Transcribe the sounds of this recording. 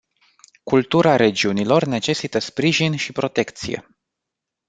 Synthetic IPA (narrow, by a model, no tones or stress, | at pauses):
kult̪uɾaɾe̞d͡ʒiunilo̞rne̞t͡ʃe̞sit̪əspɾiʒinʃipɾo̞t̪e̞kt̪sḭje̞̰